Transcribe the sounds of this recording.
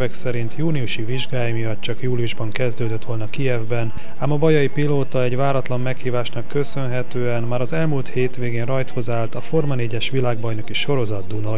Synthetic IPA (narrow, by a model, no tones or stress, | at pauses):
vɛksɛɾint̪juːniuʃiviʒɡaːjmijɒt̪t͡ʃɒkjuːliuʒbɒŋkɛzd̪øːd̪øt̪ʋo̞lnɒkiɛvbɛn | aːmɒbɒjɒipiloːt̪ɒɛɟvaːɾɒt̪lɒmːɛkhiːvaːʃnɒkːø̞sø̞nɦɛt̪øːɛnmaːɾɒzɛlmuːlt̪heːt̪ʋeːɡeːnrɒjt̪ho̞zaːlt̪ɒfo̞rmɒneːɟɛʃʋilaːɡ̚bɒjno̞kiʃo̞ɾo̞zɒd̪̚d̪unɒ